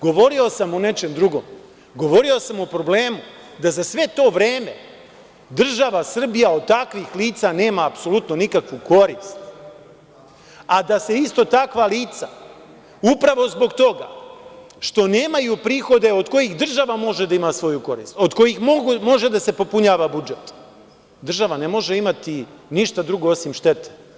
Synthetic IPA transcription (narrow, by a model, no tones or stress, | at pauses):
ɡo̞ʋo̞ɾio̞samune̞t͡ʃe̞md̪ɾuɡo̞̰m | ɡo̞ʋo̞ɾio̞samupɾo̞ble̞ːmu | d̪azasʋe̞t̪o̞ːʋɾe̞ːme̞ | d̪r̩ʒaʋasr̩bijao̞d̪̚t̪akʋixliːt̪sane̞ːmaːpso̞lut̪no̞nikakʋuko̞ɾist̪t | ad̪ase̞ist̪o̞t̪akʋaliːt̪sa | upɾaʋo̞zbo̞ɡt̪o̞ɡa̰ | ʃt̪o̞ne̞ːmajupɾiːxo̞d̪e̞o̞d̪ko̞jiɣd̪r̩ʒaʋamo̞ʒe̞d̪aimasʋo̞juko̞ɾḭːst̪o̞d̪ko̞jixmoɡumo̞ʒe̞d̪ase̞po̞puɲaːʋabud͡ʒet̪ | d̪r̩ʒaʋanemo̞ʒe̞imat̪iniʃt̪ad̪ɾuɡo̞osimʃt̪e̞t̪e̥